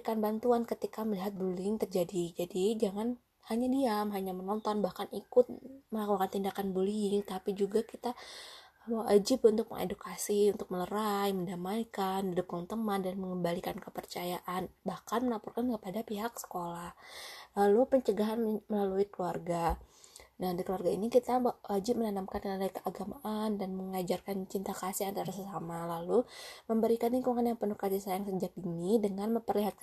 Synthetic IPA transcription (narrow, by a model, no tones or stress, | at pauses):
ikanbant̪uankət̪ikaməliɦat̪̚bulŋt̪ərd͡ʒadid͡ʒadid͡ʒaŋan | haɲadiamɦaɲamənɔnt̪ɔnbahkanikʊt̪̚məlakukant̪indakanbuliɪŋt̪apid͡ʒuɡakit̪a | mawad͡ʒɪpunt̪ʊk̚mə̰ŋḛdukasiunt̪ʊk̚mələɾajməndamajkanidʊp̚kaŋt̪əmandanməŋəmbalikankəpərt͡ʃajaʔanbahkanməlapurkankəpadapiɦaksə̥kolahlalupəɲt͡ʃəɡaɦanməlaluikəluarɡa | nahdikəluarɡainikit̪awad͡ʒɪmənanamkankənadaikəʔaɡamaʔandanməŋad͡ʒarkant͡ʃint̪akasɪhant̪aɾasəsamalaluməmbəɾikanikuŋanjaŋpənukad͡ʒisajaŋsəd͡ʒak̚inidəŋanməmpərliɦat̪̚k